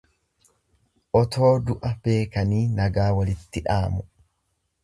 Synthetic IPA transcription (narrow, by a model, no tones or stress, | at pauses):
ʔɔt̪ʰo̞ːd̪ʊʔɐb̥e̞ːkɐniːnɐɡaːwɐlɪt̪ːɪᶑaːmʊ